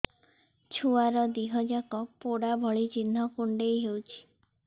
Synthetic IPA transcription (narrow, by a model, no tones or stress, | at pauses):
t͡ʃʰuaɾɔd̪iɦɔd͡ʒakɔpoɽabʱɔɭit͡ʃin̤ːɔkuɳɖejɦewt͡ʃʰi̥